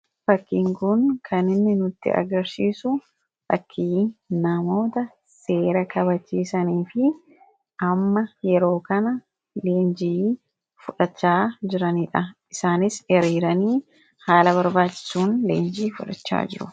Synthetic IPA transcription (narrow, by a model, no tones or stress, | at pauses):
fɐkːiːŋkʊnkʰɐnɪnːɪnʊt̪ːɪ̰ʔɐ̰ɡɐɾsiːsʊ | fɐ̰kʰːiːnɐmo̞ːt̪ɐ | se̞ːɾɐkɐβɐt͡ʃːiːsɐniːfɪ | ʔɐmːɐjɛɾo̞ːkɐnɐ | le̞ːnd͡ʒiː | fʊᶑɐt͡ʃːaːd͡ʒɪɾɐniːᶑɐʔɪsaːnɪsɛɾiːɾɐniː | haːlɐβɐɾbaːt͡ʃːɪ̥suːnlḛːnd͡ʒiːfʊᶑɐt͡ʃːa̰ːd͡ʒɪɾʊ